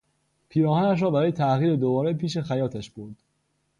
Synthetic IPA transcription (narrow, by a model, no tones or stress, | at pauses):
pʰiːɾɒːɦænæʃ̬ɾɒːbæɾɒːje̞t̪ʰæʔɣiːɾed̪obɒːɾepʰiːʃe̞xæjɒːt̪ʰæʃb̥oɾd̪̥